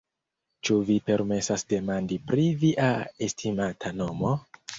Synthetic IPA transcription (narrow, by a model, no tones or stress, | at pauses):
t͡ʃuvipe̞ɾme̞sasde̞mandipɾiviʔae̞stʰimatʰano̞mo